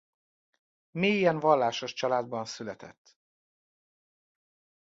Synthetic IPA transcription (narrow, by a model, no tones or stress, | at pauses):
meijɛɱvɒlːaːʃoʃt͡ʃɒlaːd̪̚bɒnsylɛt̪ʰɛ̰t̪ː